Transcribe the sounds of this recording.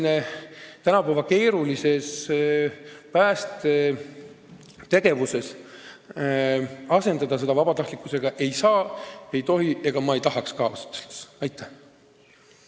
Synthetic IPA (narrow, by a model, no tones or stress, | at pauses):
net̪ænɑpæːvɑke̞ːɾulise̞s | pæːst̪e | t̪e̞ɡ̥e̞vuse̞s | ɑse̞nd̪ɑd̪̥ɑse̞d̪̥ɑvɑbɑt̪ɑht̪likːˑuse̞ɡ̥ɑʔe̞jsɑːe̞jt̪o̞ɦiʔe̞ɡ̥ɑmɑe̞jt̪ɑɦɑkskɑːvɑst̪selt̪sɑjt̪ʰːˑæh